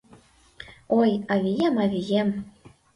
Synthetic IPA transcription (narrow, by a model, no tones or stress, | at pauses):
ojɑβʲijemɑvʲijem